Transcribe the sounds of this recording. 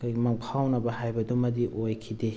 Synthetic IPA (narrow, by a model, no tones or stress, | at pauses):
kmaŋpʰawnɐbɐhajbɐdumɐdiʔojkʰide